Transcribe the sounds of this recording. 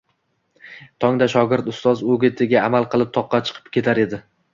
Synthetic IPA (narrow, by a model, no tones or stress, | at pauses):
t̪ʰɒŋd̪aʃɒɡʲɪɾt̪ʊst̪ɒzoɡʲɪt̪ʰɪɡʲaːmalˠqɨlˠɪp̚t̪ʰɒqːɑt͡ʃʰɨ̥qʰɨ̥pkʲʰe̞t̪ʰaɾe̞d̪ɪ